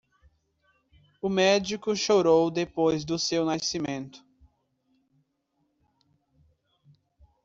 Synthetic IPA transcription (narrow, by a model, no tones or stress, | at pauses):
ʊmɛd͡ʒikʊʃoɾowd̪epojzd̪ʊsewnasimẽnt̪ʊ̥